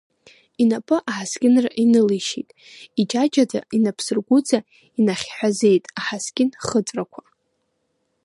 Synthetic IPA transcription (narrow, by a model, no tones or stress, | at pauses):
inapʼɨʔaħaskʲʼɪnraʔinɨliʃitʼ | id͡ʒad͡ʒada̰inapʰsɨrɡʷʊd͡za | inaχʲħʷᶣaze̞jtʼaħaskʲʼɪnχət͡sʷʼrakʷʰa